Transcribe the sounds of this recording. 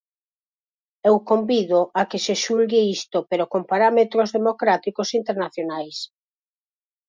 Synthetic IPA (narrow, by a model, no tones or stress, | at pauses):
ewkombiðoʔakeseʃulɣeist̪opeɾokompaɾamet̪ɾozðemokɾat̪ikosint̪eɾnaθjonajs